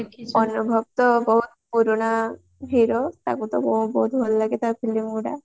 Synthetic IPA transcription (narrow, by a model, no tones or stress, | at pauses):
ɔnubʱɔb̚t̪ɔbɔɦut̪̚puɾona | bʱiɾɔt̪a̰kut̪ɔ̰mɔbɔɦut̪bʱɔllaɡet̪apʰilimuɽa̰